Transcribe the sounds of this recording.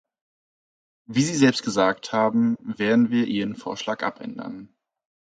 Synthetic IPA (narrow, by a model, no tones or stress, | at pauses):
viːziːzɛlpst̚ɡ̥əzaːkthaːbm̩veːɐdn̩viːɐʔiːʁənfo̰ːɐʃlaːkʔa̰pʰʔɛ̰ndɐ̰n